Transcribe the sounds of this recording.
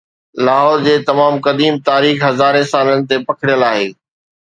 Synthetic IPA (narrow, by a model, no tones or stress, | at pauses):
laːɦɔːɾd͡ʑeːt̪ɐmaːmkɐd̪iːmt̪aːɾiːxɦɐzaːɾẽsaːlənɪ̆t̪epɐkʰɪɽɪjəlaːɦeː